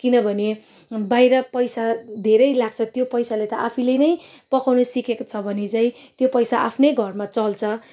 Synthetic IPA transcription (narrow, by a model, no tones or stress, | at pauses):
kinʌbʱʌne | bajɾʌpʌjsad̪ʱeɾʌjlaɡ̚t͡sʰʌt̪jopʌjsalet̪ʌʔapʰilenʌj | pʌkawnusikekot͡sʰʌbʱʌnet͡saĩ | t̪jopʌjsaʔapʰnʌjɡʱʌrmat͡sʌlt͡sʰʌ